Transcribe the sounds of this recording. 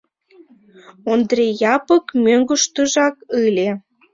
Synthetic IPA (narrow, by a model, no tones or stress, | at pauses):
ond̪rejɑpəkmøŋɡə̆ʃt̪əʒɑkɨlʲe